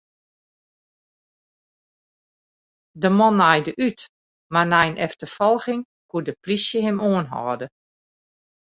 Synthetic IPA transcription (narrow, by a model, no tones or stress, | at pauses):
dəmɔnːajdəʔyt | manajnʔɛftəfɔlˠxɪŋ | kuədəprisjəhɪmoːənɦɔ̰ːdə